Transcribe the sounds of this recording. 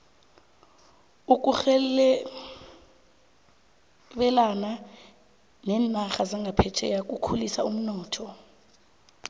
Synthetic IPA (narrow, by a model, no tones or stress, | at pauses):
uk̬ʼuxɛ | ɓɛlana | nɛːnaxazaŋɡʱapʰɛtʰɛ̰jak̬ʼukʰulisaum̩nɔːtʰɔ